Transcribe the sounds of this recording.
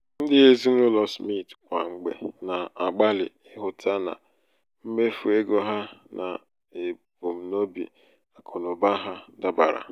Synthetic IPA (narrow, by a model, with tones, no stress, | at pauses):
n̩˦dɪ˦e˦zi˦n̩˦ʊ˦lɔ˨smi˦˨tkʷa˨ŋ͡m̩˨ɡ͡bḛ˨na˨a˨ɡ͡ba˦lɪ̰˨ | ɪ˦ɦʊ˨tʰa˦na̰˨ | m̩˦me˦fu˨e˦ɡo˦ɦa˦na̰˨ | e˨bo˨m̩˨no˦bḭ˨ | a˨kʰɔ˨nʊ˨ba˦ɦa˦da˦ba̰˨ɾa̰˨